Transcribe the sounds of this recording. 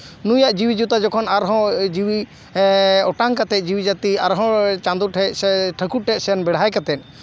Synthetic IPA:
nujaʔd͡ʒiwid͡ʒut̪ad͡ʒɔkʰɔnaɾɦɔ̃d͡ʒiwi | ɔʈaŋkat̪ɛc̪̚ˀd͡ʒiwid͡ʒat̪iaɾɦɔ̃t͡ʃãnd̪uʈʰɛsɛʈʰəkuʈʰɛt̚sɛnbɛɽ̤ajkat̪ɛt̪̚ˀ

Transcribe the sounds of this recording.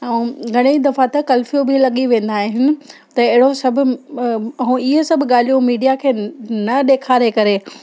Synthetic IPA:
ɐ̃ɡʱɐɽ̃ed̪ɐfat̪ɐkɐlfijobʱɪlɐɠiʋẽːn̆d̪aːɦɪɦɪnɪ̆ | t̪ɐɪɦɪɽosɐbʱʊ̆ | ɐũɪɦesɐbʱʊɠaːl̤ijõmiːɖijakʰeːnɐɗeːkʰaːɾekɐɾe

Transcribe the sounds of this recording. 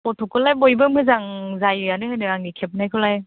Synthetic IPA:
pɔtʰɔkʰɯlajbɔjbɯmɯzaŋzajɯjanɯhɯjnɯaŋnikʰep̚najkʰɯlaj

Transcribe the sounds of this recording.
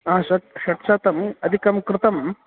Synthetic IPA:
ɦãɕɐt̪̚ɕɐʈt͡ʃaːt̪ɐmɐd̪ʱikɐmkɾɪt̪ɐm

